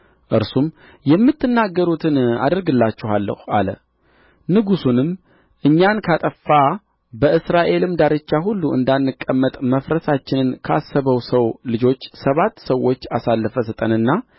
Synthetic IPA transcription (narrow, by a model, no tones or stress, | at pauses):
ʔɨɾsum | jɛmːɨt̪ːɨnːaɡːəɾut̪ʰɨna̰d̪əɾɡɨlːat͡ʃːɛhalːə̰ha̰lə̰ | nɨɡusunɨm | ʔɨɲːankʰat̪ʼəfːa | bəɨsɾaʔe̞lɨmd̪aɾɨt͡ʃːaɦulːuʔɨ̰nd̪anːɨkʼːəmːət̪ʼməfɾəsat͡ʃːɪnɨnkʰəa̰sːəβəwsəwlɨd͡ʒo̞t͡ʃːsəβat̪ːsəwo̞t͡ʃːasalːəfəsɨt̪ʼənɨnːa